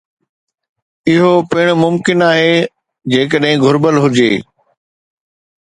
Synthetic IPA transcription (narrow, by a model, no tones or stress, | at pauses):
ɪɦopɪɽ̃mʊmkɪnaːɦe | d͡ʑeːk̬əɗɦɪ̃ɡʱʊɾbəlɦʊd͡ʑeː